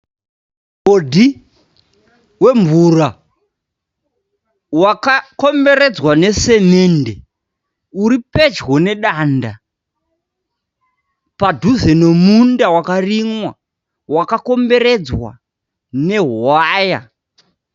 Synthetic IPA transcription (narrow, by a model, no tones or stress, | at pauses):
kodʱi | we̞ɱvura | wakako̞mbe̞ɾe̞d͡zwane̞semende | uɾipe̞d͡ʒɣo̞ne̞ɗaːnda | padʱuzeno̞mundawakariŋwa | wakako̞mbe̞ɾe̞d͡zwa̰ | ne̞ɦaːja